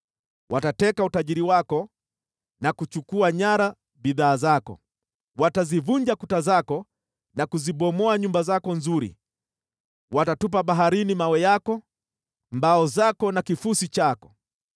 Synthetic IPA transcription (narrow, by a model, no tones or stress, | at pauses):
wʔatatɛkautaʄiɾiwakɔ | nakut͡ʃukuaɲaɾa | biðaːzakɔ̰ | watazivuɲd͡ʒakutazakɔ | nakuziɓɔmɔaɲumbazakɔnzuɾḭ | watatup̬aɓaɦaɾinimawɛjakɔ | mbaɔzakɔnakifusit͡ʃakɔ̥